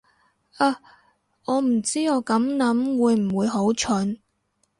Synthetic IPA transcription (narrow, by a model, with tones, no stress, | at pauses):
aː˧˩ | ɔː˨˧m̩˨˩t͡siː˥ɔː˨˧kɐ˨˥mnɐ˨˥mwuː˨˧jm̩˨˩wuː˨˧jɦo˨˥wt͡ʃʰɵ˨˥n